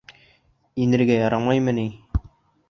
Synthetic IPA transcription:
inɘ̆ɾɡæjɑɾɑmɑjmɤ̆ni

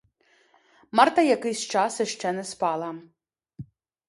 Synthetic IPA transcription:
mɑrt̪ɐjɐkɪjsʲt͡ʃɑsɪʃt͡ʃɛnɛspɑlˠɐ

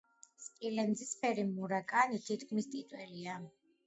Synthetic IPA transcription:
skʼilɛnd̪zispʰɛɾimuɾakʼanit̪ʰit̪kʰmist̪ʼit̪ʼwɛlia

